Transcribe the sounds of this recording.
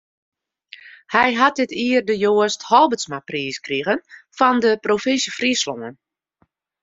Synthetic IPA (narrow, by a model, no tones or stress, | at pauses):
hɛjɦat̚dɪtiərdəjoəsthɔlˠbəsmapriːskriɣənfɔndəprofɪnsjəfriəslo̰ŋən